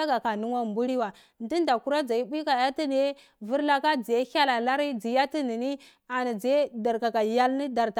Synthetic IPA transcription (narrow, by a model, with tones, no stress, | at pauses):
a˦ɡa˨ka˨nu˦wa˦˨mbu˦ɾi˦wa˨ | ndi˦nda˨ku˦ɾa˦d͡za˨i˦bi˦ka˨ja˦ti˦n˨e˦ | vi˦ɾla˦ka˦d͡zi˨je˦hʲa˦la˨la˦ɾi˦d͡zi˨ja˦ti˦ni˨ni˦ | a˨ni˨d͡zi˨e˦da˨ɾka˨ka˨ja˦lni˦da˨ɾta˨